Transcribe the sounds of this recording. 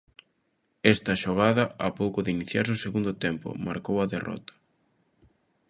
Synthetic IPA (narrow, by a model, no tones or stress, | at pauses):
ɛst̪ɐʃoɣ̞aðɐapowkʊðɪiniθjaɾsoseɣund̪ʊt̪ɛmpʊ̰ma̰ɾkowɐðerɔ̰t̪ɐ̥